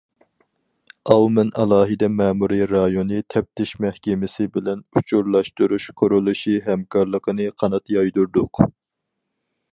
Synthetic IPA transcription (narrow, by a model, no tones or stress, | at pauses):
ɑwmɛnɑlˠɑːɦɨd̪ɛmɛːmuɾiɾɑjonɨt̪ʰɛp̚t̪ʰɪʃmɛhkʲɛmɪsɪbɪlɛnut͡ʃʰuɾlˠɑʃt̪uɾuʃkʰoɾulˠuʃiɦɛmkʰɑɾlˠəqʰənɨqʰɑnɑt̪jɑjd̪uɾd̪ʊq